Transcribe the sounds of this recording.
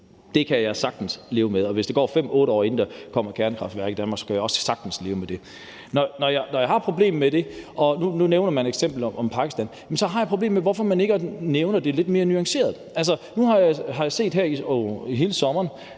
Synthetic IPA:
d̥e̝kʰæjɑ̈ɪsɑ̈ɡ̥̚d̥n̩sle̝ːʊmeðˠɒ̽ʋe̝sd̥eɡɒ̰ːfem̰ɔ̽ːɾəɒ̰ːe̝n̩d̥ɑkʰɒ̽m̰ɐkʰæɐnəkʰʁɑ̈fd̥ʋæɐɡ̥idænmɑ̈ɡ̥sɒ̥̽kʰæjaɒ̽sə̥sɑ̈ɡ̥d̥n̩sle̝ːʊmed̥e̝ | nɒnɒjɑnɒjɑhɑ̈pʰʁo̝b̥le̝̰ːmːed̥e̝ʔɒ̽nununeʊnɐmæneɡ̥sem̰b̥l̩ʔɒ̽mpʰɑ̈ɡ̥isd̥ænjemn̩sɒ̽ɦɑ̈jɑpʰʁoble̝ːmmeʋɒfɒ̽mæne̝ɡ̥neʊnɐd̥e̝le̝d̥me̝ːɐnyɑ̈ŋse̝̰ːɐð̞̩ˠæls̬ɐnuhɑ̈jɑɦɑ̈jɑ̈se̝̰ːd̥ɦæɐiiɦe̝ːləsɒ̽mɐːn

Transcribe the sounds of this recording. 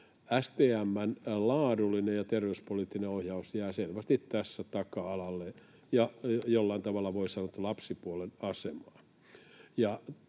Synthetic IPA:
æst̪eːæmːænlɑːdulːˑinejjɑt̪erʋeuspoliːˑt̪ːineohjɑusjæːselʋæst̪it̪tæsːæt̪ɑkɑɑlɑlːe | jɑjolːɑint̪ɑʋɑlːɑʋoisɑnot̪ːulɑpsipuolenɑsemɑː | jɑ

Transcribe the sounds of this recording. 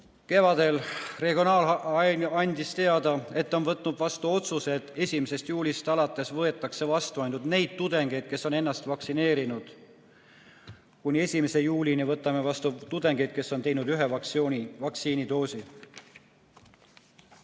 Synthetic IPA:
ke̞vɑd̪̥e̞lre̞ɡio̞nɑːlɑɑnʲd̪ist̪e̞ɑd̪̥ɑe̞t̪ːo̞nvɤt̪ˑnud̪̥vɑst̪uo̞t̪suse̞d̪̥e̞sʲimise̞st̪juːlʲist̪ɑlɑt̪ːˑe̞svɤe̞t̪ːˑɑkse̞vɑst̪uɑjnud̪̥ne̞jd̪̥̚t̪ud̪̥e̞ŋɡ̥ejd̪̥̚ke̞sːo̞ne̞nːɑst̪vɑksine̞ːɾinud̪̥ | kunʲie̞sʲimese̞juːlʲinivɤt̪ːˑɑme̞vɑst̪ut̪ud̪e̞ŋɡ̥ed̪̥̚ke̞sːo̞nt̪e̞jnud̪yɦeɑvɑksiːnid̪o̞ːsʲi

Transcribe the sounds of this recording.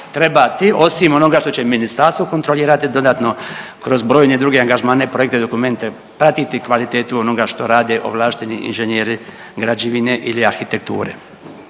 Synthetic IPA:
t̪ɾe̞bat̪iʔo̞simo̞no̞ɡaʃt̪o̞t͡ɕeminist̪aɾst̪ʋokont̪ɾo̞liːɾat̪id̪o̞d̪aːt̪no̞kɾo̞zbɾo̞ːjned̪ɾuɡeaŋɡaʒmaːne̞pɾo̞jekt̪ed̪o̞kume̞nt̪e | pɾat̪it̪ikʋalit̪eːt̪uo̞no̞ɡaʃt̪o̞ɾaːd̪eʔo̰ʋlˠaːʃt̪iniḭnʒenjeːɾi | ɡɾad͡ʑiʋineʔiliaɾxit̪ek̚t̪ṵːɾḛ

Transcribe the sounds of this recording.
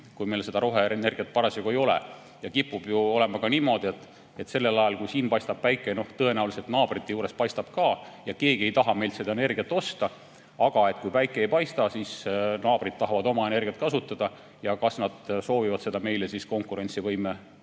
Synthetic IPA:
kujme̞lse̞d̪ɑɾo̞ɦeene̞rɡ̥ijɑt̪̚ːpɑɾɑseɡue̞jo̞lḛ | jɑkipːˑub̥juo̞le̞mɑkɑniːmo̞d̪ie̞t̪ːˑ | et̪ːse̞lːe̞lɑjɑlkujsiːnpɑjst̪ɑb̥̚pæjkːˑeno̞ht̪ɤe̞næuwliset̪nɑːb̥rit̪ːe̞juːɾe̞spɑjst̪ɑb̥kɑːjɑke̞ːɡ̥ie̞jt̪ɑɦɑme̞jlt̪se̞d̪ɑene̞rɡ̥iɑt̪ːˑo̞st̪ɑ | ɑɡ̥ɑe̞t̪̚kujpæjkːˑeejpɑjst̪ɑsisnɑːb̥rid̪̥̚t̪ɑɦɑvɑd̪o̞mɑe̞ne̞rɡiɑt̪kɑsut̪ːˑɑd̪̥ɑ | jɑkɑsnɑd̪̥so̞ːvivɑd̪̥se̞d̪̥ɑme̞jlesisko̞ŋkːˑuɾe̞nʲt̪sivɤjme

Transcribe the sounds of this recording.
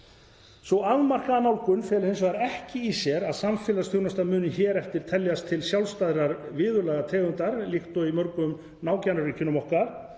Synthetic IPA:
svɔaðmar̥kaːnawlkʏnfɛːlʏhens̬ʏɣaɾɛhcɪːsjɛɾaðsamfɪːlast̪juɣnast̪amʏːnɪçɛːɾɛft̪ɪɾ̥t̪ʰɛljast̪ʰɪlsjawlst̪aðɾaɾvɪːðʏɾlɛːɣat̪ʰɛːɣʏnt̪aɾlixt̪ɔimœɾkʏm | naːwcanʏɾɪcʰʏnːʏmɔhkaɾ̥

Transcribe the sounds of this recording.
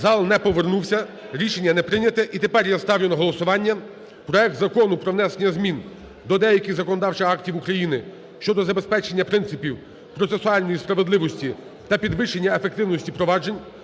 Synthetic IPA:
zɑlˠnɛpɔʋernuwsʲɐ | ɾʲiʃenʲːɐnɛpɾɪnʲɐt̪ɛʔit̪e̞pɛrjast̪ɑwlʲenɔɦɔlˠɔsʊʋɑnʲːɐ | pɾɔɛk̚t̪zɐkɔnʊpɾɔʋnɛsenʲːɐzmʲin | d̪ɔd̪ɛjɐkʲɪzɐkɔnɔd̪ɑwt͡ʃɪɑktʲiwukɾɐjinɪ | ʃt͡ʃɔd̪ɔzɐbe̞spɛt͡ʃenʲːɐpɾɪnt̪sɪpʲiw | pɾɔt̪sesʊɑlʲnɔjispɾɐʋe̞d̪lˠɪʋɔsʲtʲi | t̪ɐpʲid̪ʋɪʃenʲːɐefek̚t̪ɪwnɔsʲtʲipɾɔʋɑd͡ʒenʲ

